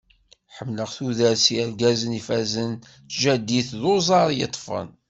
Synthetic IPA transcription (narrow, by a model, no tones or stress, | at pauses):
ħəmːləʁθuðəɾsiəɾɡæzənifæzən | θʒæd̪ːiθðozˤɑɾˤjə̰t̪ˤːfə̰n